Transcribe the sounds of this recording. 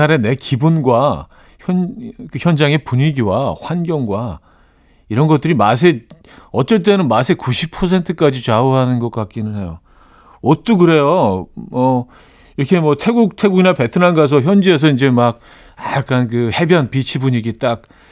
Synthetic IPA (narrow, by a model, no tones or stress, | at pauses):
aɾe̞ne̞kibunɡwa | çjʌnkɯçjʌnd͡ʑaŋe̞puɲiɡiwa̰ɸwanɡjʌŋɡwa | iɾʌnɡʌt͈̚ɯɾimas̬ʰe̞ | ʌtt͡ɕ͈ʌɭt̬͈e̞nɯnmas̬ʰe̞kuɕʰipʰʌs̬ʰe̞ntʰɯk͈ad͡ʑit͡ɕauɦanɯnɡʌk͈̚ak̚k͈inɯnɦe̞jo | ʌt͈ukɯɾe̞jomʌ | iɾʌkʰe̞mʌtʰe̞ɡuk̚tʰe̞ɡuɡinape̞tʰɯnanɡas̬ʰʌçjʌnd͡ʑie̞s̬ʰʌind͡ʑe̞mak̚ | ajak͈ankɯhe̞bjʌnpit͡ɕʰibuɲiɡit͈ak̚